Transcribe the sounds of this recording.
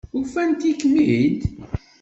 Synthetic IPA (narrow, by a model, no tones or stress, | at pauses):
ufænt̪ikːmiɦint̪